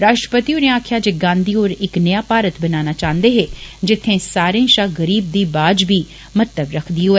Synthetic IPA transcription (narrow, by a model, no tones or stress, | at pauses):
ɾaːʃʈɾəpət̪iːonẽːaːkʰjaːd͡ʒeɡãːnd̪iːɦoːɾɪknɪjaːpaːɾət̪bənaːnaːt͡ʃãːnd̪eːɦeːd͡ʒɪt̪ʰːẽːsaːɾẽːʃaːɡəɾiːb̚d̪iːbaːd͡ʒbiː | mət̪ləbɾəkʰd̪iːɦoeː